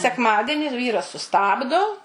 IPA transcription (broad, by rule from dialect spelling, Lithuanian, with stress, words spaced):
sʲɛkˈmɑːdʲɛnʲɪ ˈʋʲiːrɐs sʊˈstɑːbdoː